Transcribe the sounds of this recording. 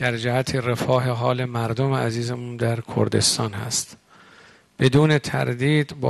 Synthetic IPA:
d̪̥æɾd͡ʒæhæt̪ʰiːrefɒːɦeɦɒːle̞mæɾd̪omeæziːzemuːnd̪æɾkʰo̰ɾd̪e̞̰st̪ɒːnhæ̰st̪ | b̥e̞d̪uːne̞t̪ʰæ̰ɾd̪iːd̪b

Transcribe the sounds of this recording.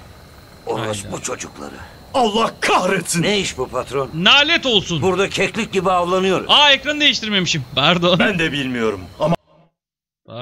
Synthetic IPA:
olusbut͡ʃʰo̞d͡ʒuklˠa̰ɾɯ̰ | alˠːahkʰahɾet̪ʰinejiʃbupʰat̪ɾonːaːlʲɛt̪o̞lˠsunbuɾd̪acʰɛclʲic̚ɟibiavlˠanɯjo̞ɾṵaecɾand̪e̞jiʃt̪ʰiɾme̞miʃimpʰæɾd̪onb̪ænd̪ɛbilʲmijo̞ɾumama

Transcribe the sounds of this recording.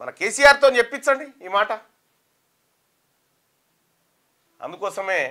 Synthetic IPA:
mɐ̰nɐkeːsijaːɾt̪oːnt͡ʃe̞pːit͡ʃːɐɳɖiiːmaːʈɐ | ɐ̰nd̪ukɔːsɐme̞ː

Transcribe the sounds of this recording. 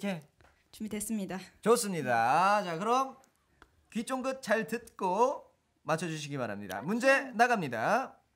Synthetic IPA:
kʰe | t͡ɕumides͈ɯmɲidat͡ɕos͈ɯmɲidat͡ɕakɯɾʌm | kit͡ɕ͈oŋɡɯt̚t͡ɕ͈aɭtɯt̚k͈o | mat͡ɕʰʌd͡ʑuɕ̬ʰiɡimaɾɦamɲida̰mund͡ʑe̞naɡamɲida

